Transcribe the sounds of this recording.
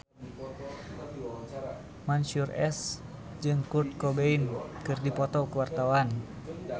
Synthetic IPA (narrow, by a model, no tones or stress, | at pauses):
mansurɛs | d͡ʒɨŋkurt̪̚kɔbeinkɨrdipɔt̪ɔkəwart̪awan